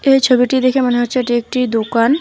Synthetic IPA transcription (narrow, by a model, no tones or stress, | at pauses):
et͡ʃʰəbiʈid̪eːkʰẽmɐnɦɐɾt͡ʃɐʈeːk̚ʈid̪okaːn